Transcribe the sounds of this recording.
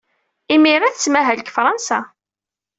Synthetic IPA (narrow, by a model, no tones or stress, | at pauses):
imiɾˤæθəsmæɦælkfɾˤɑnsæ